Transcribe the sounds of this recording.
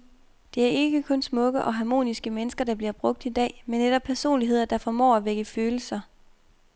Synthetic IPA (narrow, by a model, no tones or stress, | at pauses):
d̥e̝æɐe̝ɡ̥əkʰɔ̽nsmɔ̽ɡ̥əʔɒ̽ɦɑ̈mo̝̰ːnisɡ̥əmenəsɡ̥ɐd̥ɑ̈b̥liɐb̥ʁɔ̽ɡ̥̚d̥id̥ɛ̰ːmenːeɾ̥ɒ̽b̥̚pʰæɐso̝̰ːnliɦe̝ð̞̰ˠɐd̥ɑ̈fɒmɒ̰ːæʋeɡ̥əføːl̩sɐ